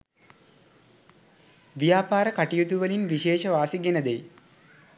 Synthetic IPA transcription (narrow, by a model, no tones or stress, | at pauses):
ʋijaːpaːɾəkaʈijut̪uʋɐlinʋiʃeːʃɐʋaːsiɡenɐd̪ej